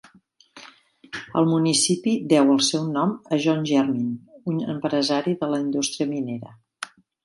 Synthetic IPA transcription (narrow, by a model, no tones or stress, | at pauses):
ə̰lˠmunisipid̪ɛwəlˠsɛwnɔməʒɔnʲʒɛrminunə̰mpɾəzaɾiðələind̪ust̪ɾiəmineɾə̰